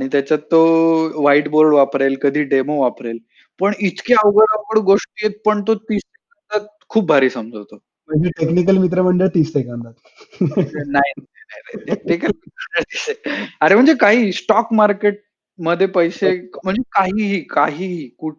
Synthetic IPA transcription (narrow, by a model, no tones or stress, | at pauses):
aɽ̃it̪jat͡ɕat̪ːoʋaiʈboɾɖʋapɾajlkəd̪ʱiːɖemoʋapɾajl | pəɳit̪kaəʋɡəɾakəɽɡoʂʈijet̪̚pəɳt̪̬ot̪iːst̪ekãnt̪at̪̚kʰuːp̚bʱaɾiːsəmd͡zəʋt̪o | m̤əɳd͡zeʈeknikəlmit̪̬ɾəməɳɖeɭt̪iːst̪ekãnd̪at̪ | nainaanajneʈ̪ekʈikəlmit̪ɾəməɳɖeɭt̪iseaɾem̤əɳd͡zekaɦiːsʈɔkmaɾkeʈ̚ | məd̪ʱːjepəjsem̤əɳd͡zekaɦiːɦiːkaɦiːɦiːkuʈ̚ʰ